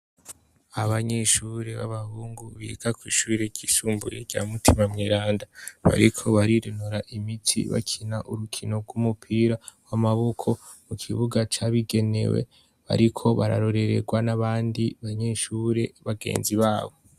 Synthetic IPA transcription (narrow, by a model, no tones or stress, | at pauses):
aβaɲeʃuɾe̞βa̰βahuːŋɡuβḭɡakwiːʃuɾeɟisuːmbṵjḛɟa̰ːmutʰimamŋiɾaːndaβa̰ɾikʰo̞βaɾiɾinuɾaʔimitʰḭβa̰kʰinaʔuɾukʰino̞ɡwumupʰiːɾawamaβo̞kʰo̞ | mukʰiβuɡat͡ʃaβiɡe̞ne̞̰wḛ | βa̰ɾikʰo̞βaɾa̰ɾo̞ɾe̞ɾe̞̰ɡwanaβaːndiβaɲeʃuɾe̞βaɡe̞̰ːnziβaːβo